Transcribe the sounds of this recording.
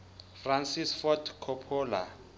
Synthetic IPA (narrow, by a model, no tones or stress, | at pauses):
fransisfɔtʰkʰɔpʰɔːla̰